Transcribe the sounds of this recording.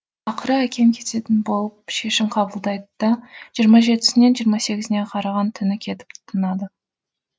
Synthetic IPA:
ɑqəɾəækʲʰe̞mkʲʰe̞t̪e̞t̪ɪnbo̞lˠəpʃe̞ʃɪmqʰɑbəlˠd̪ɑjd̪əd̪̥ɑʒijəɾmɑʒe̞t̪ɪ̥sɪne̞nʒijəɾmɑse̞ɡʲɪzɪne̞qʰɑɾɑʁɑnt̪ʰʏnɪkʲʰe̞t̪ɪ̥p̚t̪ʰt̪ʰənɑd̪ə

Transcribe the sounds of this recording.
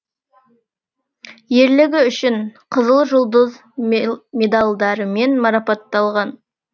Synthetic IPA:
je̞ɾlɪɡʲɪʏʃɪɴqʰəzəlˠʒʊlˠd̪əz | me̞d̪ɑlˠd̪ɑɾəme̞nmɑɾɑpɑt̪ːɑlˠʁɑn

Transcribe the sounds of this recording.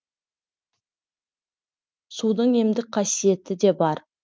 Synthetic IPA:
sud̪əɴe̞md̪ɪk̚qʰɑsije̞t̪ɪd̪e̞bɑɾ

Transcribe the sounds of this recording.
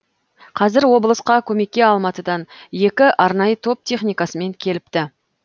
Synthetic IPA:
qʰɑzɪɾwo̞blˠəsqɑkʲʰɵme̞k̚ʲːe̞ɑlˠmɑt̪əd̪ɑnje̞kʲɪʔɑɾnɑjət̪ʰo̞p̚t̪ʲʰe̞χnijkɑsəme̞ŋkʲʰe̞lɪp̚t̪ɪ

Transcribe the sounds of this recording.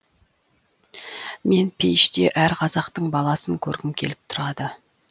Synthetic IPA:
me̞npʰe̞jʃt̪e̞ʔæɾqʰɑzɑqt̪əɴbɑlˠɑsəŋkʲʰɵɾɡʲɪmkʲʰe̞̰lɪp̚t̪ʰʊɾɑd̪ə

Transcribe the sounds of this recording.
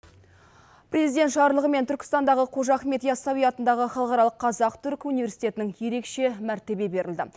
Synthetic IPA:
pɾʲe̞zijd̪e̞nt̪ʃɑɾəlˠəʁəme̞nt̪ʰʏɾkʲɪ̥st̪ɑnd̪ɑʁəqʰo̞ʒɑχme̞t̪jɑsɑwijɑt̪ənd̪ɑʁəχɑlˠəqɑɾɑlˠəqːʰɑzɑqt̪ʰʏɾkunivʲe̞ɾsi̥jt̪ʲe̞t̪ɪnɪŋje̞ɾe̞kʃe̞mæɾt̪e̞be̞be̞ɾʔɪld̪ɪ̰

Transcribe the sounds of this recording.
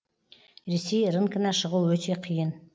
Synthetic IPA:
ɾesejɾəŋkənɑʃəʁuwɵt̪ʰe̞qʰijən

